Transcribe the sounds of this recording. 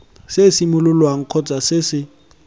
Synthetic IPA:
sesimʊlʊlwaŋ̩kʰɔt͡sʼasɪsɪ

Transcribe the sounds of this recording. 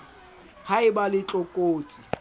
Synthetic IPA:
haɪbalɪt͡ɬʼɔkʼoːt͡sʼi

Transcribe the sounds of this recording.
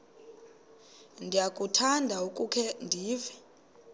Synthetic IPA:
ndʱijakʼutʰandʱaukʼukʰɛndʱiːvɛ

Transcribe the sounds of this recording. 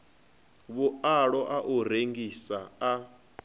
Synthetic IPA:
βuaɺɔʔaʔuɾeŋɡisaa

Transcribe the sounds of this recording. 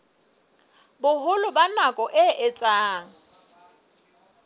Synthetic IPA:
bʊhʊlʊbanakʼɔʔɪʔɪt͡sʼaːŋ̩

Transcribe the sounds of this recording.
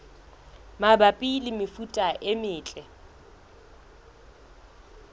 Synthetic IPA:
mabapʼilɪmɪfutʼaʔemɪːt͡ɬʼɛ

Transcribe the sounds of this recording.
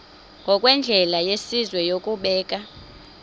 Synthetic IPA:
ŋɡʱɔkʼwɛnd͡ɮʱɛlajesizwɛjokʼuɓɛːk̬ʼa

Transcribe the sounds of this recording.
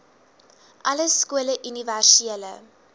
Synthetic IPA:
ʔɐləskuələʔyniværsieələ̰

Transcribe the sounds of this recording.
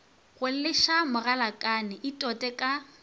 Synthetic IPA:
ɣʊl̩lɪʃamʊralakʼanɪʔitʼɔtʼɛkʼa

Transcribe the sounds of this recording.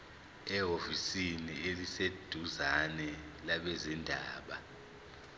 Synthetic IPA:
ɛɦofisinielised̥ʱuzanɛlaɓɛzindʱaːɓa

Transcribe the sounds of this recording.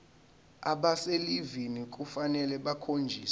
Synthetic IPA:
aɓaselivinik̬ʼufanɛlɛɓakʰond͡ʒʱiːs

